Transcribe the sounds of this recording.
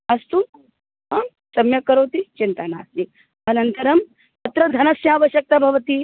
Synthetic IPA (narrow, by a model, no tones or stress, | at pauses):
ɐst̪u | ɐm | sɐmjɐkɐɾoːt̪it͡ʃint̪ana̰ːst̪i | ɐnɐnt̪ɐɾɐm | t̪ɐt̪ɾɐd̪ʱɐnɐsjaːʋɐʃjɐk̚t̪ɐbʱɐʋɐt̪i